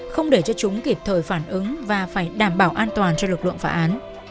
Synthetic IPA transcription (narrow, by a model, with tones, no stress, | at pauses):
xə˧wŋ͡mɗe˧˩t͡ɕɔ˧t͡ɕʊ˨˦ŋ͡mki˨˩p̚t̪ʰəː˨˩jfaː˧˩nʔɨ˨˦ŋvaː˨˩faː˧˩jɗaː˧˩mɓaː˧˩wʔaː˧nt̪waː˨˩nt͡ɕɔ˧wlɨ˨˩k̚lɨ̰˧˨əŋfaː˨˦ʔaː˨˦n